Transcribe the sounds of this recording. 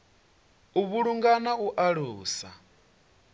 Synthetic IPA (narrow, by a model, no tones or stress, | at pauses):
uβuɺuŋɡanauʔaɺuːsa